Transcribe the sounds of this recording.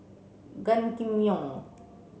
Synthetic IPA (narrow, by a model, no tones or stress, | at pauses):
ɡankimjoŋ